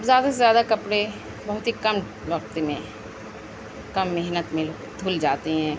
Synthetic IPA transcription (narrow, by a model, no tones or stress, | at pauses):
ɐbzjaːd̪asezjaːd̪akɐpɽe | bɐɦʊt̪ɦikɐm | ʋɐkt̪emẽ | kɐmːeɦnət̪mẽ | d̪ʱʊld͡ʒaːt̪iɦɛ̃ː